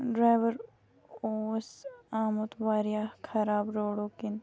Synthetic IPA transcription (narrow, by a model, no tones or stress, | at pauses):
ɖɾaːjʋəɾ | oːsaːmot̪ʋaːɾijakʰɐɾaːbɾoːɽoːkɪn